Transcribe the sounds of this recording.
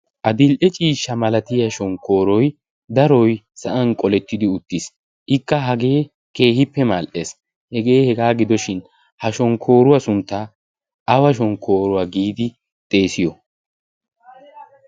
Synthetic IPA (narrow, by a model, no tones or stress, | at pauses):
ʔɐd̪ɪlʔɛt͡ʃʼiːʃːɐmɐlɐt̪ɪjɐʃɔŋkʰo̞ːɾɔj | d̪ɐɾɔj | sɐʔɐnkʼɔlɛt̪ːɪd̪ɪʊt̪ːɪs | ʔɪkːɐɦɐɡe̞ː | ke̞ːhɪpːɛmalʔe̞ːs | hɛɡe̞ːhɛɡaːɡɪd̪ɔʃɪn | hɐʃɔŋkʰo̞ːɾʊwɐsʊnt̪ːa | ɐwɐʃ̬ɔŋkʰo̞ːɾʊwaɡiːd̪ɪ | t̪ʼe̞ːsɪjɔ